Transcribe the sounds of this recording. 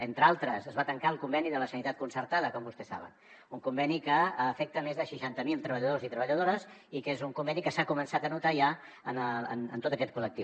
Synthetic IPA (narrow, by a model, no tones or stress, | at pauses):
ent̪ɾalˠt̪ɾəsəzβat̪əŋkaəlˠkumbɛniðələsənit̪at̪̚kunsəɾt̪að̞əkɔmbust̪ɛsa̰βə̰n | uŋkumbɛnikəəːfɛk̚t̪əmezðəʃiʃant̪əmilˠt̪ɾəβəʎəðozit̪ɾəβəʎəðoɾəzikezuŋkumbɛnikəsakumənsat̪ənut̪aʒa | ənəə̰nə̰nt̪ot̪əkɛt̪̚kulək̚t̪iw